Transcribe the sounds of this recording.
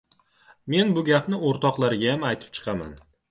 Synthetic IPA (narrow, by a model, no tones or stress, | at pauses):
me̞nbʊɡʲapnɪoɾt̪ɒqlˠaɾɪɡʲajamajt̪ʰɪ̥p̚t͡ʃʰɨ̥qʰɑma̰n